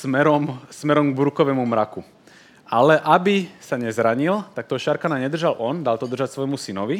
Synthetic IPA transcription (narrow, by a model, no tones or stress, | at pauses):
mɛɾɔmsmɛɾɔmɡbɾukɔʋɛmumɾaku | alɛʔabisaɲɛzɾaɲilt̪ak̚t̪ɔʃaɾkanaɲɛd̪r̩ʒalʔɔnd̪alt̪ɔd̪r̩ʒacsʋɔjmusinɔʋi